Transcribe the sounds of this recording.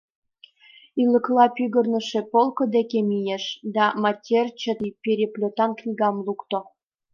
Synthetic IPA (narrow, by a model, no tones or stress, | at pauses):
ylə̆klɑpyɣə̆rnə̆ʃepolˠkə̆d̪ekemijeʃd̪ɑmɑtʲert͡ɕə̆t̪ipʲeɾʲeplʲot̪ɑnknʲiɣɑmlukt̪o